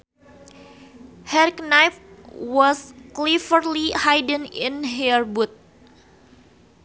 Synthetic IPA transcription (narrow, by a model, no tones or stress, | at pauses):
hɛɾiknajfwɔsklifərlihajdə̃ninɦɛrbut̪̚